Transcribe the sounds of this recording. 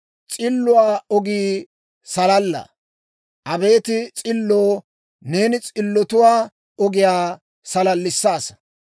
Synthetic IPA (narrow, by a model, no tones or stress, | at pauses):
t͡sʼɪlːʊwaːɔɡiː | sɐlɐlːɐ̰ | ʔɐbe̞ːt̪ɪt͡sʼɪlːoː | ne̞ːnɪt͡sʼɪlːɔt̪ʊwaː | ɔɡɪjaː | sɐlɐlːɪsːaːsɐ̥